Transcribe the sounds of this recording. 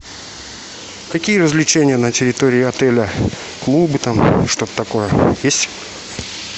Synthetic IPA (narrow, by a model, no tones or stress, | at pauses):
kɐkʲijəɾəzlʲɪt͡ɕenʲɪjənətʲɪɾʲɪt̪o̞ɾʲɪːɐt̪ɛlʲə | klˠubɨt̪amʂt̪o̞t̪ə̥t̪ɐko̞jəjesʲtʲ